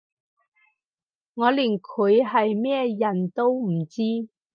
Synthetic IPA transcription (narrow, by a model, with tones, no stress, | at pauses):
ŋɔː˨˧liː˨˩nkʰɵ˨˧˥jɦɐ˨jmɛː˥jɐ˨˩nt̪o˥wm̩˨˩t͡siː˥